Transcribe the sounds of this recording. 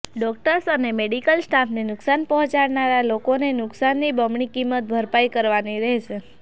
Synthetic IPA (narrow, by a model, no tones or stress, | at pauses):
ɖɔk̚ʈəɾsənemeɽikəlsʈapʰnenʊksanpɔɦɔ̃t͡ʃaɽnaɾalokonenʊksanːibəmɳikimət̪̚bʱəɾpajkəɾʋaniɾɛɦʃʰe